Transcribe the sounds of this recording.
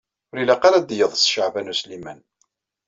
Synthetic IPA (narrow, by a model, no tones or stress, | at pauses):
ʊɾilæqɑlæd̪jəðˤsʃaʕvænuslimæn